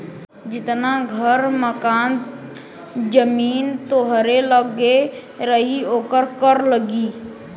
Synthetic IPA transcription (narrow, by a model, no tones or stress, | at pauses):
d͡ʒɪt̪naɡʱəɾməkaːn | d͡ʒəmiːnt̪oɦɾeləɡeɾəɦioːkəɾkəɾləɡiː